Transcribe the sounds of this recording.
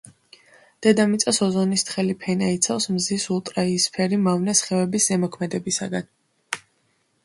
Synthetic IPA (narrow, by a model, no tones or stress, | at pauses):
d̪̥ɛd̪amit̪sʼasɔzɔnist̪ʰχɛlipʰɛnait̪sʰafsmzisulˠt̪ʼɾaiːspʰɛɾimavnɛsχɛvɛbiszɛmɔkʰmɛd̪ɛbisaɡan